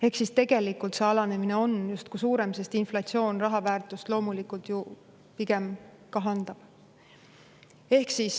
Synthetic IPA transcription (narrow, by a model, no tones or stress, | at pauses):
e̞hksist̪e̞ɡ̥e̞likːˑult̪seɑlɑne̞mine̞o̞njust̪̚kusuːɾe̞mse̞st̪inflɑt̪sio̞ːnrɑɦɑvæːrt̪ˑust̪lo̞ːmulikult̪ju | piɡ̥e̞m | kɑɦɑnd̪̥ɑb̥ | e̞hksis